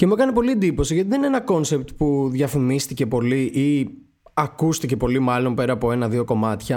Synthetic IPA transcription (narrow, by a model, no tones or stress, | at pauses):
ce̞muekɐnepo̞liend̪ipo̞siʝɐt̪iðene̞nɐko̞nse̞p̚t̪puðʝɐfimist̪ice̞po̞liʔi | ɐkust̪ice̞po̞limɐlo̞mpe̞ɾɐːpoe̞nɐðio̞ko̞mɐt̪çɐ